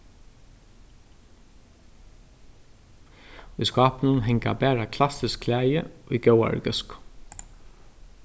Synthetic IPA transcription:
ujskɑːpnʊnɦɛŋka̰bæːɹakʰlasɪskʰlæːjɪ̰uɡjœwa̰ɹ̰ɡœsk

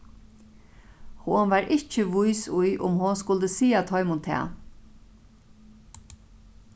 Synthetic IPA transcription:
hʊnʋaɾʔɪht͡ʃɪʋʊjsʊjʔʊ̰mhʊnskʊlt̪əsiːat̪ʰɔʏmʊnt̪ʰɛ̰ː

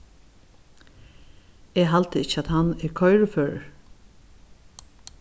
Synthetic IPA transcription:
ɛːɦalt̪əɪt͡ʃːəat̪hanːɛɹkʰɔjɹəføːɹ̰ɹ

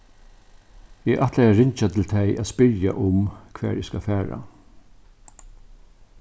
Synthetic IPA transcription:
ɪʔaht̪lɛjaɹɪɲt͡ʃat̪ʰɪlt̪ʰɛjʔaðspɪɾja̰ʔʊmkʰʋæ̰ːɹɪskafæːɹa̰

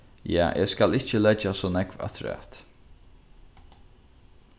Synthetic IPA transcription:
ja̰ːʔɛ̰ːskalɪt͡ʃəlɛt͡ʃasɔːnɛkva̰t̪ʰʊɾa̰t̪

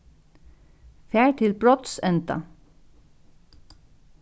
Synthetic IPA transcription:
fæːɹt̪ʰɪlbɹɔt̪sɛnt̪a̰

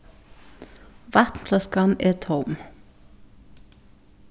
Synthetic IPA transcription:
ʋɑt̪n̩fʰlɑskɑnʔeːt̪ʰɔʊm

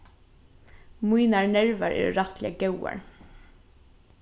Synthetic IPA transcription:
mujnaɹnɛɹvaɹɛ̰ɹɹat̪lɪaɡɛwa̰ɹ

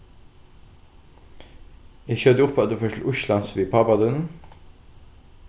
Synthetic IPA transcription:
jæçøːd̪əʊpʰːɑt̪̚d̪ʉːfoːtʰɪlʔʊʃlɑnsʋiːpʰɑbɑd̪ʉn

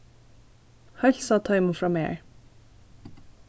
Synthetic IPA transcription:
hɑʎsɑːt̪ʰɑɪmʊfɹɑmḛːɹ

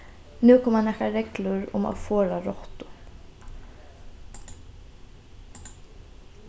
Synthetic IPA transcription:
nʉːkʰʊmɑnɛkɑɾɛɡlʊɾʊ̰mo̰ːfoːɾaɾɔht̪ʊ̥

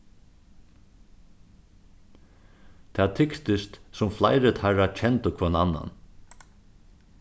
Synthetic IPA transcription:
t̪ʰɛːt̪ʰɪkt̪ɪst̪sʊmflajɾɪt̪haɾat͡ʃʰɛnt̪ʊkʰvɔːnanːa̰n

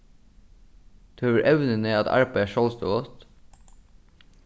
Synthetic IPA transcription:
t̪ʰʉøːʋəɹʔɛʋnəneːɑt̪ʰɑ̰ɹpɑæːʃɔlst̪o̰ːɡɔt̪

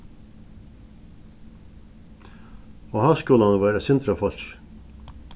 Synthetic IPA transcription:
oːhɑːskʉləhɑnːʋæːɾəsɪnd̪ɾəfɔlʃ

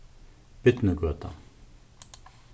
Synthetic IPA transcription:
pet̪nəɦɡoat̪a̰ŋ

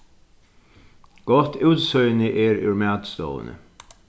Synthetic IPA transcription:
ɡ̥ɔt̪ʰʉːt̪sœʏnɪʔeːɾʉ̰ɹmæːd̪st̪o̰ːə̰nə̰

